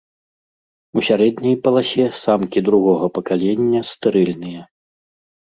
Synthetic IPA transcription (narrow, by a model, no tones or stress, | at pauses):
usʲaɾɛd̪nʲɐjpɐlˠasʲɛsamkʲid̪ɾuɣɔɣɐpɐkalʲenʲːɐst̪ɨɾɨlʲnɨjɛ